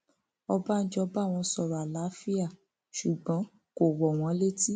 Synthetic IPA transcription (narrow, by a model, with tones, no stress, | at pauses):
ɔ˧ba˦n̩˦d͡ʒɔ˧˦ba˦˨w̃ɔ̃˧sɔ˨ɾɔ˨a˨la˨˦fi˦a˦˨ | ʃu˨ɡ͡bɔ̃˨˦ | ko˨wɔ˨w̃ɔ̃˨˦le˦ti˦